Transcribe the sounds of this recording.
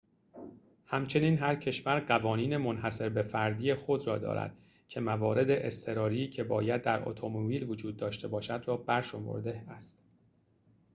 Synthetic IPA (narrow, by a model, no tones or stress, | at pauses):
hæmt͡ʃʰe̞niːnɦæɾcʰe̞ʃvæɾɢævɒːniːne̞mo̞nɦæse̞ɾbe̞fæɾd̪iːjexo̞d̪ɾɒːd̪ɒ̰ːɾæ̰d̪̥̚ | cʰe̞mævɒːɾe̞d̪e̞ʔest̪ʰe̞ɾɒːɾiːcʰe̞bɒ̰ːjæd̪ːæɾo̰t̪ʰomobiːlvod͡ʒuːd̪̚ːɒːʃt̪e̞bɒːʃæd̪rɒːbæɾʃo̞mo̰ɾd̪e̞æst̪